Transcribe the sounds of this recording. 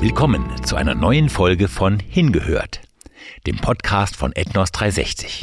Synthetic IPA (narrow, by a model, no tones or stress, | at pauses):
vɪlkʰɔmənt͡suʔaɪnɐ̰nɔʏənfɔlɡəfɔnhɪnɡəhø̰ːɐt | d̥ḛːmpʰɔtkʰaːstfɔ̰nʔɛtnɔsd̥ʁaɪzɛ̰çt͡sɪ̥ç